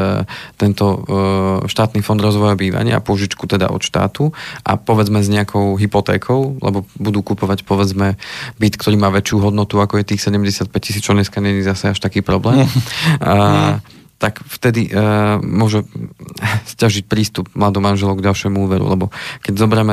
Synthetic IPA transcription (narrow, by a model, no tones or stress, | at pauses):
t̪ɛnt̪ɔ | ʃt̪aːt̪niːfɔnd̪ɾɔzʋɔjabiːʋa̰ɲɪa̰a̰pʊɔʒit͡ʃkut̪ɛd̪a̰ʔɔ̰t̪ʃt̪a̰ːt̪uʔa̰pɔʋɛd͡zmɛzɲɛakʰɔʊɦipɔt̪ɛ̰ːkʰɔʊlɛ̰bɔbud̪uːkupɔʋacpɔʋɛd͡zmɛbit̪kt̪ɔɾiːmaːʋɛt͡ʃɪuɦɔd̪nɔt̪uakɔjɛt̪iːxsɛɟɛmɟɛsɪat̪̚pɛcci̥siːt͡st͡ʃɔɲɛskaɲɛɲizasɛaʃt̪akiːpɾɔblɛːm | t̪akft̪ɛd̪imʊɔʒɛ | scaʒic̚pɾiːst̪ub̚mlad̪ɔmanʒɛlɔʊɡɟalˠʃɪɛmuuːʋɛɾṵlɛbɔkɛɟzɔbɾɛmɛ